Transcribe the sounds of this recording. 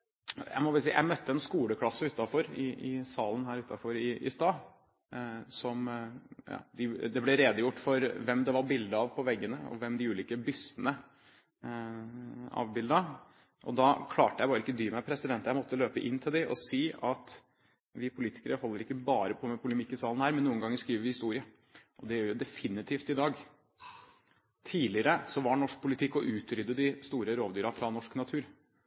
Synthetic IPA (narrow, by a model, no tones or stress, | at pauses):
jæ̰ɪmɔʋsjæ̰ɪmœt̪ːəɛnskuːləkʰlɑsːəʉːt̪ːɑfɔɾɪɪsɑːlən̩ɦæːɾʉːt̪ːɑfɔɾɪɪ̰st̪ɑː | sɔmjɑ̰ːd̪ɪd̪ɛblɛɾeːd̪əjʊʈːfɔɾʋɛmd̪ɛʋɑɾbɪld̪əɑʋpʰɔʋɛɡːənəɔ̰ʋɛmd̪ɪʉːliːkəbʏsənə | ɑ̰ʋbɪld̪ɑ | ʔɔ̰d̪ɑkʰlɑ̰ːʈəjæɪbɑːɾəɪkːəd̪yːmæpʰɾɛsɪd̪ɛnt̪jæɪmɔt̪ːəløːpəʔɪnt̪ʰɪld̪ɪʔɔ̰siːɑt̪ | ʋɪpʰʊliːt̪ɪ̥kəɾəɦɔlːəɾɪkːəbɑːɾəpʰɔmɛpʰʊləmɪkːəsɑːln̩hæːɾmɛnːuːənɡɑŋːəɾʂkɾiːʋəɾʋɪhɪst̪uːɾɪə | ʔɔd̪ɛjɾjʊd̪ɛfɪnɪt̪ʰiːft̪ɪd̪ɑːɡ | t̪ʰiːlɪəɾəsɔʋɑɳɔʂk̚pʰʊlɪt̪ʰɪkːɔʔʉːt̪ɾʏd̪ːəd̪ɪst̪uːɾəɾoːʋd̪yːɾɑfɾɑnɔʂknɑt̪ʰʉːɾ